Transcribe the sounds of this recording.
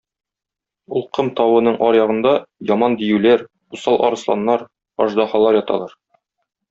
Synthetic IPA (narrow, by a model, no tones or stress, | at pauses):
ulˠqɤmt̪ɒwɤ̆nɤɴʔɒɾjɑʁɤ̆nd̪ɑjɒmɑnd̪ijʉlæɾ | usɑlˠʔɒ̰ɾɤ̆slˠɑ̰nːɑɾ | ɒ̰ʒd̪ɑhɑlˠɑɾjɒt̪ɑ̰lˠɑɾ